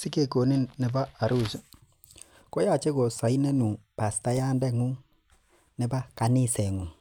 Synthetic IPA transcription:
sɪ˦ke˨ko˨ni˦nːɪ˨ba˦a˨ɾu˦˨s | ko˦ja˦˨t͡ʃe˦ko˨sa˨i˦nɛ˦nu˨pa˨sta˦ja˦ndɛ˦ŋu˦ | nɛ˨ba˦ka˨nɪ˦˨sɛ˨ŋu˨

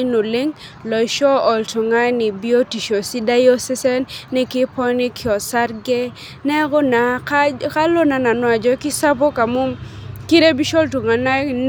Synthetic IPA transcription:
nʊ˨lɪ˦ŋ | lɔ˨jʃɔ˦ɔ˨ltu˨ŋa˦nɪ˨bi˦o˦ti˨ʃo˨si˦da˦jo˦sɛ˦sɛ˦nːɛ˦kɪ˦pɔ˦nɪ˦kʰɪɔ˨sa˦ɾɡe˦ | nɛ˦ɡɔ˦na˨ka˦lo˦na˨na˨nwa˨d͡ʒɔ˦kɪ˦sa˦p̬ɔ˦ka˨mo˦mki˦ɾe˦bi˦ʃɔ˦ltu˨ŋa˨na˦n

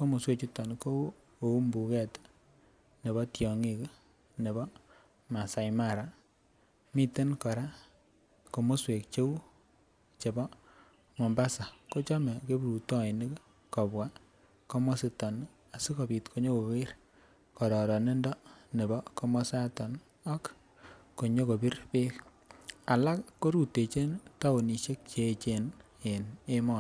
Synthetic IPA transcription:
ko˦mo˨swe˦t͡ʃi˦tɔ˨nko˦ | o˨u˦mbu˨kɛ˦t | ne˨βɔ˦tjɔ˨ŋi˦k | ne˨βɔ˦ | ma˨sa˨jma˦˨ɾa˨ | mi˦te˦nkɔ˨ɾa˦ | ko˨mo˦swe˨kt͡ʃe˦w | t͡ʃe˨bɔ˦ | mo˨mba˦sa˨ko˦t͡ʃɔ˦mɛ˨ke˦bu˨ɾu˨tɔ˦ɪ˨nɪ˦k | kɔ˨bwa˦ | kɔ˦mɔ˦sɪ˦tɔ˨n | a˨si˦ko˨bi˨tkʰo˦ɲo˦ko˨wɪ˦ɾ | kɔ˨ɾɔ˨ɾɔ˨ne˦ndɔ˦ne˨bɔ˦kɔ˦mɔ˦sa˦tɔ˨n | ɔ˦k | kːo˨ɲo˦ko˨bi˦ɾpɪ˦k | a˨la˦kːo˦ɾu˨tːe˨t͡ʃe˦nta˦o˨ni˨ʃe˦k̚t͡ʃe˨t͡ʃe˦n | e˨ne˦mɔ˦n

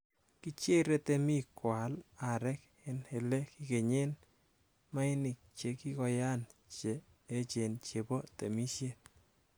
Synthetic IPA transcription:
ki˦t͡ʃe˦ɾɛ˦te˦mi˦kwa˨la˨ɾɛk | ɛnhe˨lɛ˦ki˦ke˨ɲe˦n | ma˦ni˨k̚t͡ʃe˨ki˦kɔ˨ja˦nt͡ʃeː˨˦ | t͡ʃe˨nt͡ʃe˨po˦te˨mi˦ʃjet̪̚

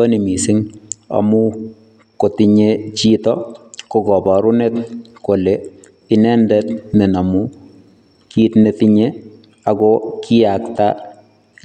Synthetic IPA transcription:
o˦ni˨mi˨sɪ˦ŋa̰mu˦ | ko˨tiɲet͡ʃitɔko˨ɡɔ˨bɔ˨ɾu˦netko˨le | i˦nɛ˦ndɛtne˨na˨mu˦ | kitnetiɲe | a˨ɡɔkʰi˦akta

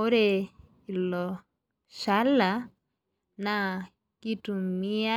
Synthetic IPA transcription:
o˦ɾe˨ | i˨lɔ˨ | ʃa˦la˨ | na˨ | ki˦tu˨mi˦a˦

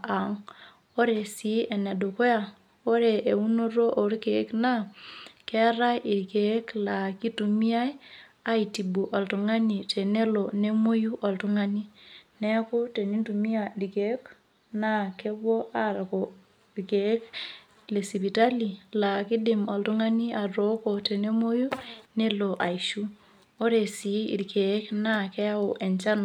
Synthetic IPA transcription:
a˨ŋ | o˦ɾe˨si˨˦ʔe˨ne˨do˨ko˦ja˨ | o˦ɾe˨ʔe˨u˦no˦ɾo˦ʔo˨ɾi˦ke˨˦kna˦kɛ˦ɾa˦jʔi˨ɾke˨˦kla˨ki˦tu˨mi˦a˦j | a˦i˨ti˨bu˨ʔa˨ltu˨ŋa˦ni˨te˨ne˦lo˨ne˦mo˦ju˦ʔɔ˨ltu˦ŋa˦ni˦nɛ˦ko˦te˨ni˦ntu˨mi˦adi˨ke˨˦k | na˦ke˦bwɔ˦a˦ɾa˨ko˨ | ike˦k | le˨si˨pi˨ta˦li˨la˨ki˦dɪ˨ma˨ltu˦ŋa˦ni˦a˨ɾo˦ko˨te˨ne˦mo˦ju˦ne˦lo˨ʔa˨iʃu˦ | o˦ɾe˨si˨˦ḭ˨ɾkʰe˨˦kna˦kɛ˦a˦o˨ʔe˨nt͡ʃa˦na˨

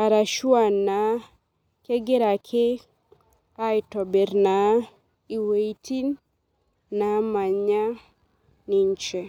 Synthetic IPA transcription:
a˨ɾa˨ʃwa˨nːa˨ | ke˦ɡe˦ɾa˨kʰe˦ | a˦ɪ˨tɔ˨be˨ɾna˨˦ | i˨we˨i˦ti˦nː | a˨˦ma˨ɲa˦ | ni˨ɲt͡ʃɛ˨

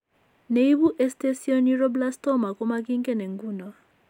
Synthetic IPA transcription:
ne˨i˦βu˦ʔɛ˦ste˦si˦ɔ˦ni˦ɾɔ˦bla˦stɔ˦ma˨kɔ˦ma˦ki˦ŋ˦kɛ˦ne˨ŋ˨ɡu˦nɔ˨

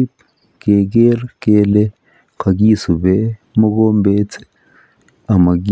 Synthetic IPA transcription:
p | ke˨ɡe˦ɾke˦le˦ | qʰa˨ɡiː˦su˨be˦ | mo˦ɡo˦mbe˦t͡se̥˨ | a˨ma˨ɡ

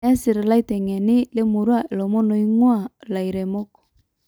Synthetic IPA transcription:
ɛ˦si˨ɾe˨la˦i˦tɛ˨ŋɛ˨ni˦le˦mo˨ɾwa˦e˨lɔ˨mo˦no˨i˦ŋwa˦˨la˨i˨ɾe˨mo˦kɔ̥˨

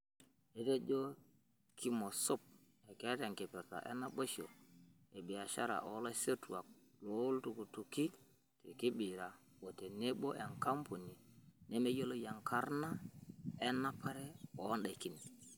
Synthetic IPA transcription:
e˨te˦d͡ʒo˦ | kʰi˦mo˨so˦p̚ | e˨ke˨˦te˨ŋke˨pɛ˨ɾta̰˨ʔḛ˦na˦bo˦ʃo˨ | e˨bi˨a˨ʃa̰˦ɾa̰˨ʔo˨˦lo˦se˦tu˨a˨k̚ | lo˦ltu˨ku˨tu˨ki˦ | te˨ki˦bi˨ɾa˨ | wo˨te˨ne˦bo˦ʔe˨ŋka˦mpo˨ni˨ne˦me˦jo˦lo˦ja˨ŋkʰa˦ɾna˦e˦nːa˦pa˦ɾe˦ɔ˨˦nɗa˨ki˦ni˨

